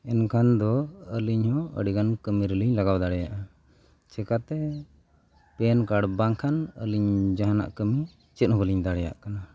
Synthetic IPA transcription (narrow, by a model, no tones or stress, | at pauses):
ɛnkʰand̪ɔəliɲhɔə̰ɽikankəmiɾəliɲlaɡawd̪aɽɛjaʔa | t͡ʃɛkat̪ɛ | pɛnkaɽbaŋkʰanə̰liɲd͡ʒaɦana̰ʔkəmi | t͡ʃɛt̪̚hɔbəliɲd̪aɽɛja̰ʔkana